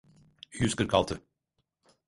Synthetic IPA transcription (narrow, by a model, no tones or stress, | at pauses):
hʉskəɾkʰɑlt̪ʰə